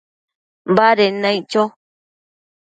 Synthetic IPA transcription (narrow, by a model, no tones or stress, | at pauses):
mbaɾenãit͡ʃo